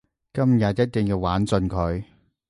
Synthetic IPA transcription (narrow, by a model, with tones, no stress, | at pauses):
kɐ˥mjɐ˨t̚jɐ˥t̚t̪ɪ˨˩ŋjiː˧waː˨˥nt͡sɵ˧nkʰɵ˨˧ɥ